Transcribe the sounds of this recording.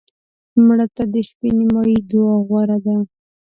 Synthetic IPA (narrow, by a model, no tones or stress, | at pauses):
mɽat̪ad̪əʃpenimɑjid̪oaɣwaɾad̪a